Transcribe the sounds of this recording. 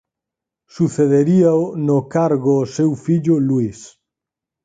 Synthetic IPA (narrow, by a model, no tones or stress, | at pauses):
suθeðeɾiaonokaɾɣoːsewfiʎʊlwis